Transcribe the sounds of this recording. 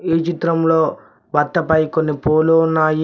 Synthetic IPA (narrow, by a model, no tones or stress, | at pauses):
iːt͡ʃit̪ɾɐmloː | bɐt̪ːɐpɐjkonːipoːloːnːaːj